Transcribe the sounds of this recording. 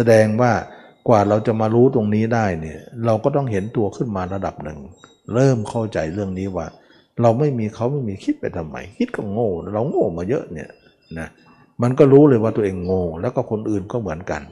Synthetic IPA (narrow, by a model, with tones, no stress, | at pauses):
sa˧dɛː˧ŋwaː˥˩ | kwaː˨˩ɾa˧wt͡ɕa˨˩maː˧ɾuː˦˥t̪o˧ŋniː˦˥daː˥˩jni˧˩ɐɾa˧wkɔː˥˩t̪ɔ˥˩ŋɦe˨˦nt̪u˧ɐkʰɯ˥˩nmaː˧ɾa˧da˨˩p̚nɯ̰˨˩ŋ | ɾɤː˥˩mkʰa˥˩wt͡ɕa˨jɾɯ˥˩əŋniː˦˥waː˧˩ | ɾa˧wma˥˩jmiː˧kʰa˦˥wma˥˩jmiː˧kʰi˦t̪̚pa˨˩jt̪ʰa˧˩mːa̰˨˦jkʰi˦˥t̪̚kʰɔ˥˩ŋoː˧˩ɾa˧wŋoː˥˩maː˧jɤ˦˥ʔnḭ˧˩ɐə | na˦˥ | ma˧nkɔː˥˩ɾuː˦˥lɤː˧jwaː˥˩t̪u˧əʔeː˧ŋːoː˧˩lɛː˦˥wkɔː˧˥˩kʰo˧nʔɯː˨˩nkɔː˥˩mɯ˩˦ənka̰˧n